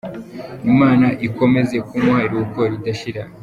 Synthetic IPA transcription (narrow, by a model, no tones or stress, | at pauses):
imaːnaʔiko̞me̞ze̞kumwaːɾiwokoɾidaʃiɾa